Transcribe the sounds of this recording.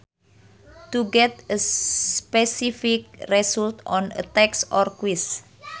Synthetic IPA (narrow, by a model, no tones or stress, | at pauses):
t̪uɡɛt̪̚əspɛsifɪk̚rɛsult̪ɔnə̰t̪ɛksɔrkwis